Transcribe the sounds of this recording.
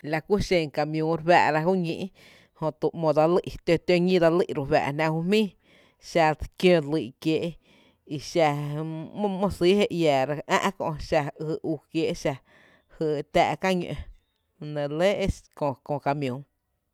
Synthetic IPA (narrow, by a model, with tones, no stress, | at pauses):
la˧ku˦ʃẽ˧˨ŋka˧mjũː˧˦ɾwæ̰ː˧˨ɾa˧ɦu˦ɲḭ̃˧ʔ | hõ˧t̪u˧˨ʔmõ˧˨d̪a˧li˦ʔt̪o˧t̪o˧ɲĩ˦d̪a˧li˦ʔɾu˧wa̰ː˨ʔnã˧hu˧mĩː˦ | ʃa˧kjõ˧li˧˨kje˧ʔ | i˧ʃã˧ | mõ˧si˦he˧ʔjaː˨ɾa˧ʔã̰˦˧ʔkõ̰˧ʔʃa˧ɨ˧˨ʔu˧˨kje˧ʔʃa˧ | hɨ˧˨t̪a̰ː˧ʔka˦ɲe˧ | nẽ˨le˦ʔe˦skõ˧kõ˧ka˧mjũ˨˦ŋ